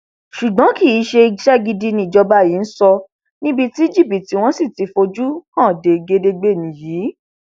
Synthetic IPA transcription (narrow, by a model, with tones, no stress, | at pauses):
ʃu˨ɡ͡bã˨˦ki˦˨i˨˦ʃe˧i˧ʃɛ˦ɡi˧di˧nĩ˧˦˨d͡ʒɔ˧ba˦˨ji˨˦n̩˦sɔ˧ | nĩ˦bi˦˧ti˦i˦d͡ʒi˦˨pi˨ti˦w̃ɔ̃˦si˦˨ti˨˧fo˧d͡ʒu˦hã˦˨de˧ɡe˧de˧ɡ͡be˦˨nĩ˨jiː˨˦